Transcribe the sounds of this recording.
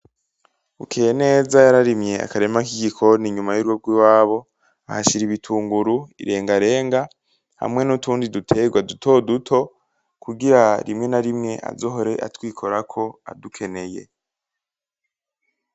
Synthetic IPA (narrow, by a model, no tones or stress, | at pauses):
ukʰeːjene̞ːzajaɾaɾimje̞a̰kaɾe̞makiɡikʰo̞niɲumajuɾwoɾɡwiwaːβo̞ | ahaʃiɾiβitʰuːŋɡuɾuḭɾe̞ːŋɡaɾe̞ːŋɡa | ha̰mŋe̞nutuːndidutʰe̞ɡwadutʰo̞ːdutʰo̞ | kuɡiɾaɾimŋe̞naɾimŋe̞ʔa̰zoɦoɾe̞ʔa̰twiːkʰo̞ɾakʰo̞a̰dukʰe̞ne̞je̞̰